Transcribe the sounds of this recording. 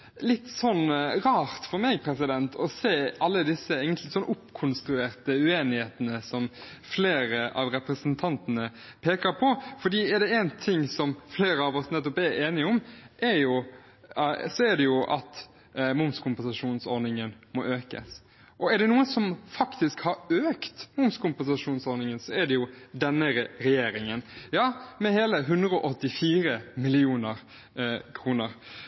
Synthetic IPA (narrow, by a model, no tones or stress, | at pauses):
lɪt̪ːsɔnːɾɑːɾt̪fɔɾmɛːɡpʰɾɛsɪd̪ɛnt̪ʰɔseːʔɑlːəd̪ɪsːəeːɡənlɪsɔnːʔʊpːkʰʊnst̪ɾʉeːɾt̪əʉeːnɪheːt̪ənəsɔmfleːɾəʔɑ̰ʋɾɛpɾəsənt̪ʰɑnt̪ənə | pʰeːkəɾpʰɔfɔɖ̪iːɛɾd̪ɛɛnt̪ʰɪŋːsɔmfleːɾəɑʋɔsnɛt̪ːɔpɛɾeːnɪɔmʔɛɾjʊ | sɔɛd̪ɛjʊʔɑ̰t̪ | mʊmskʰʊmpɛnsɑʂuːnsɔɾnɪŋənmɔʔøːkə̰s | ʔɔɛɖ̪ɛnuːənsɔmfɑkt̪ɪskhɑɾøːkt̪mʊmskʊmpɛnsɑʂuːnsɔɾnɪŋənsɔɛɖɛjʊd̪ɛnːəɾɾɛjeːɾɪŋənjɑːmɛheːləɦʉnd̪ɾəɔʔɔt̪ːɪfiːɾəmɪlɪuːnəɾ | kʰɾuːnəɾ